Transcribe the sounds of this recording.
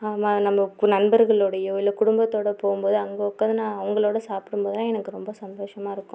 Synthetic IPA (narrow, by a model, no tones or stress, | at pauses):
aːmaːnɐmːɐnɐnbɐɾɣɐɭoːɽɐjoɪlːɐkʊɽʊmbɐt̪ːoːɽɐpoːɣɯmboːðɯɐŋɡɐɔkːɐðɯnãːɐŋɡɐɭoːɽɐsaːpɪɽɯmboːðɯlãːɛnɐkːɯɾɔmbɐsɐnd̪oːʂɐmaːɪɾɯkːʊ̃